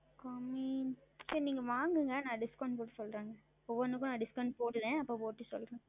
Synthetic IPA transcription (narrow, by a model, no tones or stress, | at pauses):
kɔmisɐɾniːŋɡɐʋaːŋɡɯŋɡɐnãːɖɪskɐwɳɖʈ̚poːʈːɯsɔlɾaːŋɡɐ | ɔʋɐnɯkːʊ̃naːɖɪskɐʊɳɖ̚poːɽɯlẽːɐpːoːpoːʈːɯsɔlɾẽ